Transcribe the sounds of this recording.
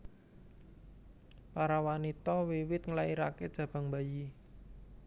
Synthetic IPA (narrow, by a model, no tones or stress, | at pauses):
paɾawanit̪ɔwiwɪt̪̚ŋəlaiɾaked̥ʒ̥ä̤b̥ä̤ŋbaji